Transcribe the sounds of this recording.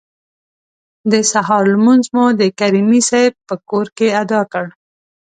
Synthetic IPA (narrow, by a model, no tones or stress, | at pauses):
d̪əsaɦɑɾlmunzmud̪əkaɾimisajb̚pəkoɾkead̪ɑkəɽ